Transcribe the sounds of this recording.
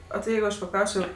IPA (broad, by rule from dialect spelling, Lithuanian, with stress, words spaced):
oː tʲɪ ˈjɛɪɡʊ ˈɐʃ pɐˈklˠɐʊsʲt͡ʃʲoː